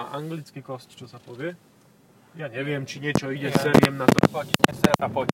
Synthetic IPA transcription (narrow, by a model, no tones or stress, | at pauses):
aʔaŋɡlʲit̪skʲikɔst̪t͡ʃɔsapɔvʲjɛ | jaɲɛvʲjɛmt͡ʃiɲɛt͡ʃɔid͡ʑɛsːɛɾjɛmnat̪ɔpakʲiɲɛsɛɾapɔ